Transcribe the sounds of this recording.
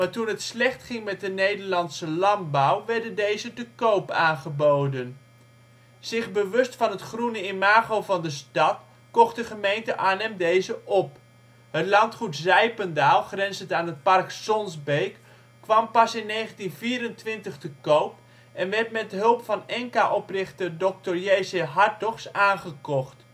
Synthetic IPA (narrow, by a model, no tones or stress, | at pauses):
maːɹtunɦətslɛχtχɪŋmɛt̚dənejdəɹlɑntsəlɑnbawʋɛɹdəndejzətəkowpaːnχəbowdən | z̥ɪχbəʋɵstfɑnɦətχrunəɪmaːχowvɑndəstɑt | kɔχt̚dəχəmejntəʔaːnɛmdejzəʔɔp̚ | hətlɑntχutzɛjpəndaːlˠχrɛnzəntaːnɦət̚pɑrksɔnzbejk | kːʋɑmpɑsɪnːejχəntinviːɾəntʋɪntəχtəkowp̚ | ɛnʋɛrtmɛtɦɵlˠpfɑnɛŋkaʔɔprɪχtədɔk̚tərjejsəɦɑrtɔχsaːnχəkɔχt